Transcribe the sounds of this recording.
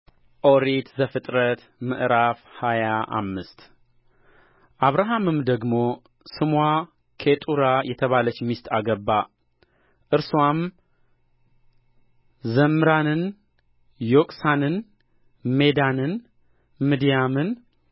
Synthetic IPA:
ʔoɾit̪zəfɨt̪ʼɾət̪ | mɨʔɾafhajaʔa̰mːɨst̪ | ʔaβɾaɦamɨmd̪əɡmo̞ | sɨmwa | kʰet̪ʼuɾajɛt̪ʰəβalət͡ʃːmist̪ʼaɡəbːa | ʔɨɾswam | zəmɨɾanɨn | jokʼsanɨn | me̞d̪anɨn | mid̪ijamɨn

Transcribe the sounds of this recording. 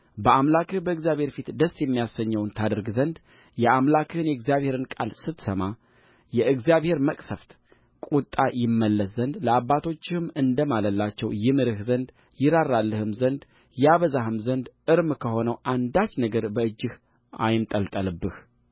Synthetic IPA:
bəʔamlakɨhbəɨɡzijaβhe̞ɾfit̪d̪əsjɛmːijasəɲːəwnt̪ʰad̪əɾɡzənd̪ | jɛʔamlakʰɨɨnjɛɨɡzjaβhe̞ɾɨnkʼa̰lsɨt̪səma | jɛʔɨɡzijaβhe̞ɾməkʼsəft̪ | kʼut̪ʼajɪmːəlːəszənd̪ləabːat̪ʰo̞t͡ʃːɪhɨmɨnd̪əmaləlːat͡ʃːɛwjɪmɨɾɨhzənd̪ | jɪɾarːalːəhɨmzənd̪ | jaβəzahɨmzənd̪ʔɨɾmkʰəho̞nəwʔand̪at͡ʃːnəɡəɾbəɨd͡ʒːɪh | a̰jɪnt̪ʼəlt̪ʼəlɨbːɨh

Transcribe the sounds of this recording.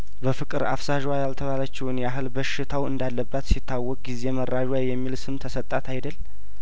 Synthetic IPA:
bəfɨkʼɨɾa̰fsaʒwajalt̪ʰəβalət͡ʃːɪwnjɛaɦɨlbəʃːɪt̪ʰawɨ̰nd̪alːəbːat̪sit̪ʰːawːɔkʼɡize̞məraʒwajjɛmːilsɨmt̪ʰəsət̪ʼːat̪ʰajd̪əlː

